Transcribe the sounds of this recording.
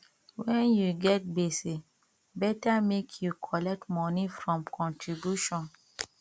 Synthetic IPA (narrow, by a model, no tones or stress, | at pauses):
wɛ̃njuɡɛt̚bese | bɛtamekʰjukʰɔlɛk̚tmɔnifɹɔ̃mkʰɔ̃ntʰɹibjuʃɔ̃n